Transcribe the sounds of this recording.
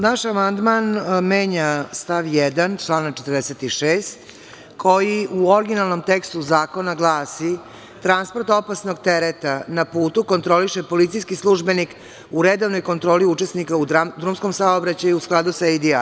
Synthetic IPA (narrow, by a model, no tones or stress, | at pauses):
naʃamand̪manmeːɲast̪aʋjɛd̪ant͡ʃlˠaːnak̚t͡ʃe̞t̪ɾd̪eset̪iʃeːst̪ | kʰojiuoɾɡinalˠno̞mt̪ekst̪uzaːko̞naɡlˠaːsi | t̪ɾanspo̞ɾt̪o̞pasno̞ɡ̚t̪eɾet̪anapuːt̪uko̞nt̪ɾo̞liʃepo̞lit̪sijskislˠuʒbenik | uɾed̪oʋno̞jko̞nt̪ɾo̞ːliut͡ʃesnikauad̪ɾumsko̞msaobɾat͡ɕajuusklˠad̪usaed̪ia